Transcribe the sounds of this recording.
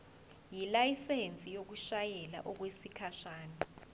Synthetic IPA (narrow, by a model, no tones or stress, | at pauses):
jilajisent͡sʼijok̬uʃajɛla̰ʔɔk̬wesikʰaʃaːnɔ